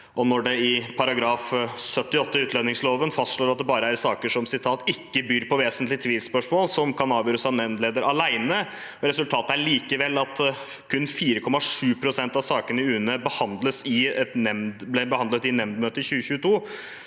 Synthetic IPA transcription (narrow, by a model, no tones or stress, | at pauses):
ɔnɔɖɛɪpʰɑɾɑɡɾɑːfsœt̪ːɪɔt̪ːəʉːt̪ʰlɛnɪŋsloːʋənfɑst̪ʂɭoːɾɑt̪̚d̪ɛbɑːɾəæɾsɑːkəʂɔmsɪt̪ʰɑːt̪ɪkːəbyːɾpʰɔʋeːsənt̪lɪt̪ʰʋiːlspœʂmoːlsɔmkʰɑnɑːʋjøːɾəsɑnɛmd̪leːd̪əɾʔɑlæɪnə | ɾɛsʉlt̪ʰɑːt̪əæɭiːkəʋɛlːɑt̪ | kʰʉnːfiːɾəkʰɔmːɑʂʉːpʰɾʊsɛnt̪ɑʋsɑːkənəɪʉːnəbəhɑnd̪ləsɪɛt̪nɛmd̪blɛbəhɑnət̪ɪnːɛmd̪møːt̪əçʉːəçʉːət̪ʰuː